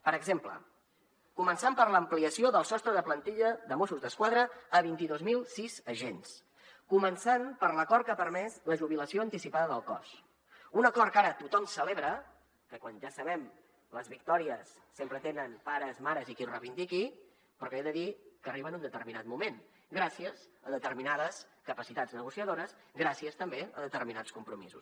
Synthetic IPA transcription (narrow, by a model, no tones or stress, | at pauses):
pəɾəɡzemplə̰ | kumənsampəɾləmpliəsioðəlˠsɔst̪ɾəðəplənt̪iʎəðəmosuzðəskwaðɾəːβint̪iðozmilˠsizəʒens | kumənsanpəɾləkɔɾt̪kapəɾmɛzləʒuβiləsioənt̪isipaðəðəlˠkɔ̰s | unəkɔɾt̚kaɾət̪ut̪ɔmsəleβɾə | kəkwanʒasəβɛm | ləzβik̚t̪ɔɾiəsːempɾət̪enənpaɾəzmaɾəzikirəβind̪iki | pɾɔkeðəðikəriβənund̪ət̪əɾminat̪̚mumen | ɡɾasiəzəðət̪əɾminaðəskəpəsit̪ad͡znəɣusiəðoɾəs | ɡɾasiəst̪əmbeə̰ðət̪əɾminat͡skumpɾumḭzṵs